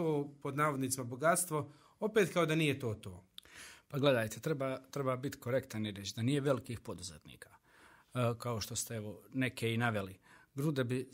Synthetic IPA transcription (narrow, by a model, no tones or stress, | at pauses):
oːpo̞d̪naːʋo̞d̪nit̪simabo̞ɡat̪st̪ʋo̞ | o̞pet̪kaod̪anijet̪o̞ːt̪oːpaɡle̞d̪aːjt̪et̪ɾebaːt̪ɾe̞baːbit̪i̥ko̞ɾe̞kt̪aniɾet͡ɕd̪aniːjeʋe̞likiːxpo̞d̪uzet̪nḭːkḁ | kao̞ʃt̪o̞st̪ee̞ʋo̞ne̞keinaʋe̞liɡɾud̪ebi